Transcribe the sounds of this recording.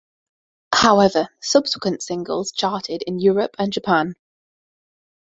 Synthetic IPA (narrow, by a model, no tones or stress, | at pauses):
haʊɛvəsʌb̥sɪ̥kwə̃ntsɪ̃ŋɡə̰lˠz̥t͡ʃʰɑˑtʰɪdɪ̃njɔːɹəpʰə̃nd͡ʒəpʰãn